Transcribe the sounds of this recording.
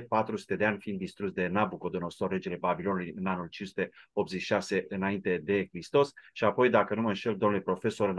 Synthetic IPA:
pat̪ɾusu̥t̪e̞d̪e̞anʲfiind̪ːist̪ɾutsd̪e̞nabuko̞d̪ono̞so̞rːe̞d͡ʒe̞le̞babilo̞nulujɨnanult͡ʃinsu̥t̪e̞o̞p̚t̪zeʃi̥ʃase̞ʔɨnaint̪e̞d̪e̞kɾist̪o̞sʃiapo̞jd̪akənuməɨnʃe̞ld̪o̞mnulepɾo̞fe̞so̞ɾɨn

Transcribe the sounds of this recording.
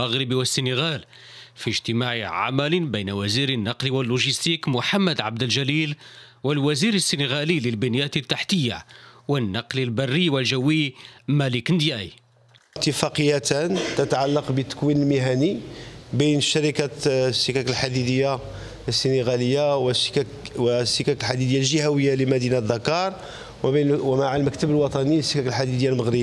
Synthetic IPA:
aɣɾəbiwəsːinəɣæl | fiʒt̪əmaʕiʕa̰mælbæjnæwæziɾənːɑqliwəlːuʒist̪ikmʊħamːəd̪ʕab̚d̪əlʒælil | wəlwæziɾəsːinəɣæliləlbənjæt̪ət̪ːaħt̪əjːa̰wənːɑqlilbærˤːiwəlʒəwːimæləknd̪jæi | t̪ːəfɑqəjːæt̪ænt̪ət̪ʕalːɑqbət̪ːə̥kwinəlmiɦænibijnəʃːəɾikasːikækəlħad̪id̪əjːa | sːineɣæləjːaws | wsːikæklħad̪id̪əjːalʒihæwəjːaləmæd̪inad̪ːɑkːɑɾˤ | wnwmaʕəlməkt̪əbəlwɑt̪ˤɑnisːikæklħad̪id̪əjːalməɣɾə

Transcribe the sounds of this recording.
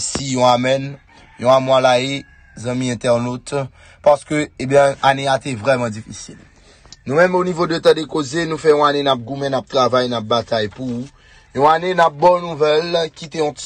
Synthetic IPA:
sijɔ̃amɛn | jɔ̃amwalae | zɑ̃mĩɛ̃t̪ɛʁnot̪ | paʁsə̥køebjɛ̃aneat̪ɛvʁɛmɑ̃d͡zifisil | nũmɛ̃monivod̪øt̪ɑ̃d̪ekozenũfɛjɔ̃anenap̚ɡumɛ̃nap̚t̪ʁavajnap̚bat̪ajpuu | jɔ̃anenap̚bɔnnũvɛlkit̪eɔ̃t̪

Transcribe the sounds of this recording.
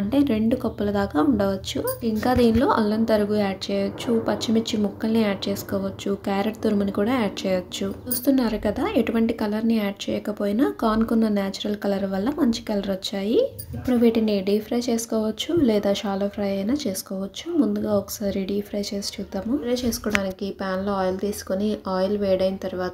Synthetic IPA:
ɐɳʈe̞ːɾe̞ɳɖukɔpːɐlɐd̪aːkaːuɳɖɐʋɐt͡ʃːuiŋkaːd̪iːnlo̞ːʔɐlːɐnt̪ɐɾuɡuaːɖ̚t͡ʃɛːjɐt͡ʃːupɐt͡ʃːimit͡ʃːimukːɐlniaːɖ̚t͡ʃeːsu̥kɔːʋɐt͡ʃːukaːɾɐʈ̚t̪uɾumɐnikuːɽaːaːɖ̚t͡ʃɛːjɐt͡ʃːut͡ʃuːst̪unːaːɾukɐd̪aːeʈuʋɐɳʈikɐlɐɾniaːɖ̚t͡ʃɛːjɐkɐpoːjinɐkaːnkunːɐnjaːt͡ʃuɾɐlkɐlɐɾʋɐlːɐmɐɲt͡ʃi̥kɐlɐɾɔt͡ʃːaːji | ipːuɽuʋiːʈiniɖiːpʰɾɐjt͡ʃe̞ːsu̥kɔːʋɐt͡ʃːulɛːd̪aːʃaːlɐpʰɾɐjɐjnaːt͡ʃe̞ːsu̥kɔːʋɐt͡ʃːumund̪uɡaːɔkɐ̥saːɾiɖiːpʰɾɐjt͡ʃe̞ːsi̥t͡ʃuːd̪ːaːmuɾɐjt͡ʃeːsu̥kɔːɽaːnikipaːnlo̞ːaːjlt̪iːsu̥koniʔaːjlʋɛːɽɐjnɐt̪ɐɾuʋaːt̪ɐ

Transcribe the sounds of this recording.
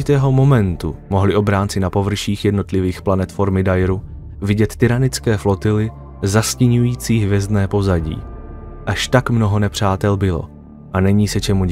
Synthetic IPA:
ɪt̪ɛːɦo̞mo̞mɛnt̪umo̞ɦlɪʔo̞bɾaːnt͡sɪnapo̞vr̩ʃiːxjɛdno̞t̪lɪviːxplanɛt̪fo̞ɾmɪdajɾu | vɪɟɛt̪ːɪɾanɪt͡skɛːflo̞t̪ɪlɪ | zascɪɲujiːt͡siːɦvjɛzdnɛːpo̞zaɟḭː | ʔaʃt̪akmno̞ɦo̞nɛpr̝̥aːt̪ɛlbɪlo̞̰ | ʔanɛɲiːsɛt͡ʃɛmu

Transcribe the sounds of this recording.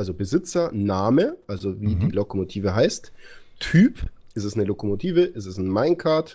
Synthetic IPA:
ʔalzobəzɪt͡sɐnaːməʔalzoviːdiːlokomotʰiːvəɦaɪst | tʰyːpʔɪsɛsnəlokomotʰiːvəʔɛsɛsn̩maɪnkʰaɐt

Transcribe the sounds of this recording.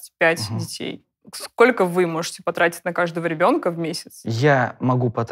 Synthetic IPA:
tʲpʲætʲdʲɪtʲʰḛj | sko̞lʲkəvɨmo̞ʐɨtʲɪ̥pɐt̪ɾatʲɪ̥t̚ʲnɐkaʐd̪əvəɾʲɪbʲo̞nkəvmʲesʲɪ̥t̪sjamɐɡupɐt̪

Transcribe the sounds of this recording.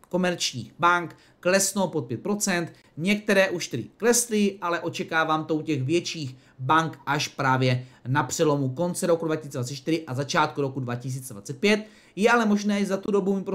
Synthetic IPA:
ko̞mɛɾt͡ʃɲḭːxbaŋkː | lɛsnopot̪̚pjɛt̪̚pɾo̞t͡sɛnt̪ | ɲɛk̚t̪ɛɾɛːʔuʃt̪ɛɾɪ̰klɛslɪʔalɛʔo̞t͡ʃɛkaːvaːmt̪oucɛɣvjɛt͡ʃiːx | baŋkʔaʃpɾaːvjɛnapr̝̥ɛlo̞muko̞nt͡sɛɾo̞kudvacɪsiːt͡sɛdvat͡sɛt̪t͡ʃt̪ɪɾɪʔazat͡ʃaːt̪̚kuɾo̞kudvacɪs̬iːt͡sɛdvat͡sɛt̪̚pjɛt̪ | jɛalɛmo̞ʒnɛːzat̪udo̞bumɪpɾo

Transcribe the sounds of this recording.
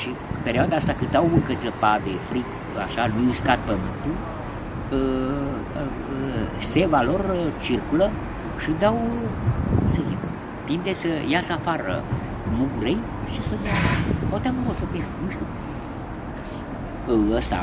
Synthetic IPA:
ʃi | peɾʲioad̪aast̪akɨt̪awmɨŋkəzəpad̪efɾik | a̰ʃalujuskat̪̚pəmɨnt̪u | ə | sevalort͡ʃirkulə | ʃid̪awkumsəzik | t̪imd̪esəjasəafaɾə̰ | muɡuɾej | ʃisəd̪ihot̪akumosəp̪inuʃt̪u | əst̪a̰

